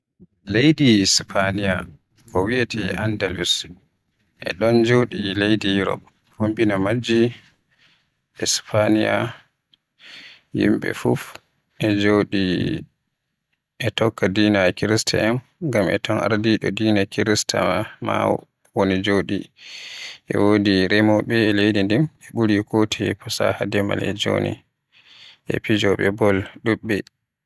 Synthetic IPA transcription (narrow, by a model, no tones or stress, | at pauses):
lejdispʰanija | kɔwiatʰiandalus | ʔɛ̰ɗɔnd͡ʒowɗilejdijuɾɔ̰p | hombinamad͡ʒi | ʔɛspʰanija̰ | jḭmɓɛ̰fuf | ʔɛd͡ʒoɗi | ʔɛtɔkːadinakiɾistʰa̰ʔɛn | ɡamɛtɔna̰ɾdiɗɔdiːnakiɾistʰa̰ma | wonid͡ʒoɗi | ʔɛ̰wodiɾɛmɔɓɛːlejdindimɛɓuɾikotʰipʰɔsa̰hadɛma̰lɛd͡ʒo̰nḭ | ʔɛ̰pid͡ʒɔɓɛbɔlɗuɓːɛ